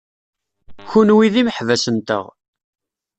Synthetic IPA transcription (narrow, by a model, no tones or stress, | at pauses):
çunwiðiməħvæsənt̪ə̰ʁ